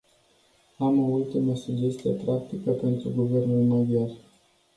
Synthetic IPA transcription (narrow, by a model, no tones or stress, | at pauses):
amoult̪iməsuɡd͡ʒe̞st̪ijḛpɾak̚t̪ikəpe̞nt̪ɾuɡuve̞rnulmod̪jar